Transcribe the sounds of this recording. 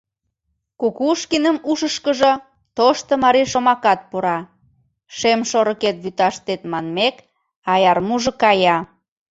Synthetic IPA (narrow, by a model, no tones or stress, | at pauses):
kukuʃkinəmuʃəʃkəʒo | t̪oʃt̪ə̆mɑɾiʃomɑkɑt̪̚poɾɑ | ʃemʃoɾəket̪̚βyt̪ɑʃt̪et̪mɑnmek | ɑjɑrmuʒŏkɑjɑ